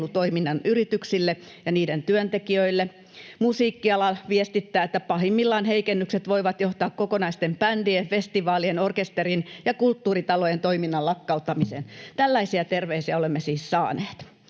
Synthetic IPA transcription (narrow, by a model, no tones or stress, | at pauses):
lut̪oiminːɑnyrit̪yksilːe | jɑniːdent̪yønt̪ekiøilːe | musiːkːiɑlɑlʋiest̪it̪ːæːet̪ːæpɑhimːilːɑːnheikenːykset̪ʋoiʋɑt̪joht̪ɑːkkokonɑist̪empændiefest̪iʋɑːlienorkest̪erinjɑkult̪ːuːrit̪ɑlojent̪oiminːɑlɑkːɑut̪ːɑmisḛːnt̪ælːæisiæt̪erʋeisiæolemːesiːssɑːneːt̪